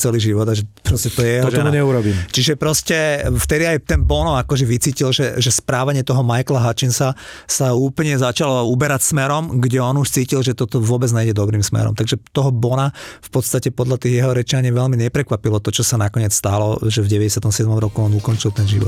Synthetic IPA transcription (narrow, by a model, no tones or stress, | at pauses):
t͡sɛliːʒiʋɔd̪aʒɛpɾɔscɛt̪ɔjɛjɛɦ̪ɔʒɛɔuɲɛuɾɔbiːmt͡ʃiʒɛpɾɔscɛft̪ɛd̪iajt̪ɛnbɔnɔakɔʒɛʋit͡siːcilʒɛʒɛspɾaːʋaɲɪɛt̪ɔɦɔmajklaɦat͡ʃinsasauːplɲɛzat͡ʃalɔubɛɾacsmɛɾɔmɡɟɛɔnuʃt͡siːcilʒɛt̪ɔt̪ɔʋʊɔbɛd͡zɲɛjɟɛd̪ɔbɾiːmsmɛ̰ɾɔ̰mt̪aɡʒɛt̪ɔɦɔbɔnafpɔt̪st̪acɛpɔd̪ʎat̪iːɣjɛɦɔɾɛt͡ʃaɲiʋɛʎmiɲɛpɾɛkʋapilɔt̪ɔt͡ʃɔsanakɔɲɪɛt͡sst̪alɔʒɛvɟɛʋɛɟɛsɪat̪ɔmsɪɛd̪mɔmɾɔkuɔnukɔnt͡ʃilˠt̪ɛnʒiʋɔt̪